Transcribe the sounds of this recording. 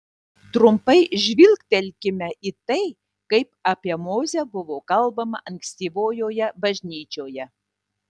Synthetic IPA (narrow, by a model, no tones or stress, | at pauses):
t̪ɾʊmpɐɪʒʲʋʲɪlʲˠkt̪ʲɛlʲkʲɪmʲɛʔiːt̪ɐɪ | kɐɪpɐpʲiɛmoːzʲɛbʊʋoːkɐlˠbɐmɐ̰ʔɐŋʲkʲsʲt̪ʲiːʋoːjoːjɛbɐʒʲnʲiːt͡ʃʲoːjɛ